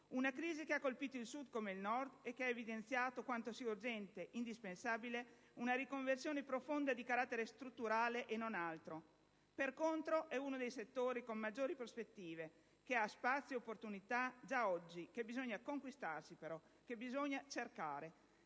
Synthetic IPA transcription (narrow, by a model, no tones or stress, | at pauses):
unakɾiːzikeakːolpiːt̪oilsud̪komeilnɔrd̪ɛkːeaevid̪ent̪sjaːt̪okwant̪osiaurd͡ʒɛnt̪eʔind̪ispensaːbile | unaɾikoɱversjoːnepɾofond̪ad̪ikaɾat̪ːeɾest̪ɾut̪ːuɾaːleʔenːonalt̪ɾo | perkont̪ɾoʔɛunod̪ejset̪ːoːɾikommːad͡ʒːoːɾipɾospet̪ːiːve | keaspat̪sːjopːort̪unit̪ad͡ʒaɔd͡ʒːikebizoɲːakoŋkwist̪arsipeɾɔ | kebizoɲat͡ʃerkaːɾe